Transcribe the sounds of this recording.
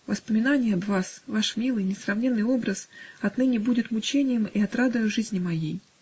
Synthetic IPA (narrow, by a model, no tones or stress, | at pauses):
vəspəmʲɪnanʲɪjəɐt̪vasvaʂmʲilˠɨjnʲɪsrɐvnʲenːɨjo̞bɾəsɐt̪nɨnʲɪbudʲɪt̪mʊt͡ɕenʲɪjəmiɐt̪ɾad̪əjʊʐɨzʲnʲɪmɐjej